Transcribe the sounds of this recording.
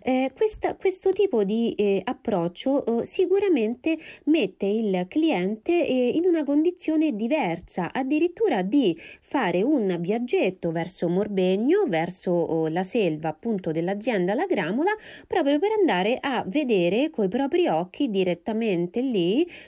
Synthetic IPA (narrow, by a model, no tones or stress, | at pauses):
ɛkwest̪akwest̪ot̪iːpod̪iapːɾɔt͡ʃːoʔsikuɾament̪emet̪ːeilkliɛnt̪einunakond̪it̪sːjoːned̪ivɛrsaʔad̪ːiɾit̪ːuːɾad̪ifaːɾeunvjad͡ʒːet̪ːovɛrsomorbeɲːovɛrsolaselvaːpːunt̪od̪elːad̪zjɛnd̪alaɡɾamolapɾɔːpɾjopeɾand̪aːɾeʔavːed̪eːɾekoipɾɔːpɾiɔk̟ːid̪iɾet̪ːament̪elːi